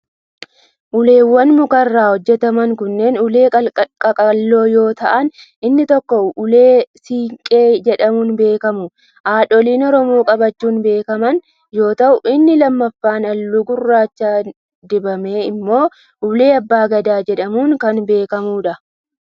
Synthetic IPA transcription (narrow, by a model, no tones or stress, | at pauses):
ʔʊle̞ːwːɐnmʊkɐrːaːhɔd͡ʒːɛt̪ɐmɐŋkʊnːe̞ːnʊle̞ːkʼɐkʼɐlːo̞ːjo̞ːt̪ɐʔɐn | ɪnːɪt̪ɔkːɔʊle̞ːsiːŋkʼe̞ːd͡ʒɛᶑɐmuːnbe̞ːkɐmʊ | ʔaːᶑɔliːnɔɾɔmo̞ːkʼɐbɐt͡ʃːuːnbe̞ːkɐmɐn | jo̞ːt̪ɐʔʊʔɪnːɪlɐmːɐfːaːnɐlːuɡʊrːaːt͡ʃːaː | d̪ɪbɐme̞ːɪmːo̞ː | ʊle̞ːɐbːaːɡɐd̪aːd͡ʒɛᶑɐmuːŋkɐnbe̞ːkɐmuːᶑɐ